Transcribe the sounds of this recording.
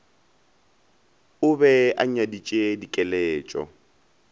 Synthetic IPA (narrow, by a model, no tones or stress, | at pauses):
ʊbɛʔa̰ɲadit͡ʃʼedikʼɛlɛːt͡ʃʼɔ̰